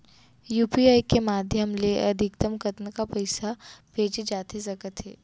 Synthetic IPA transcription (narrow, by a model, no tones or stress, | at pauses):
juːpiajkemad̪ʱjəmleʔəd̪ʱikt̪əmkət̪nəkapəjsapet͡ʃed͡ʒat̪ʰesəkət̪ɦe